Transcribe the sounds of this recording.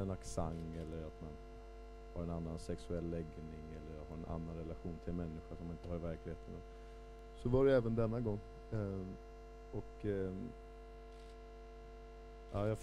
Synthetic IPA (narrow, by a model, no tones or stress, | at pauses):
ɛnaksaŋɛlːəɾat̪man | haɾɛnanːansɛksɵɛlːɛɡnɪŋɛlːəɾɦaɾɛnʔa̰nːanɾɛlaɧuːnt̪ʰɪlmɛnːɪɧaʂɔmanɪnt̪əhaɾvæɾklɪheːt̪əna | sɔvaɖɛɛːvənd̪ɛnːaɡɔŋː | ɔk | aːjɑf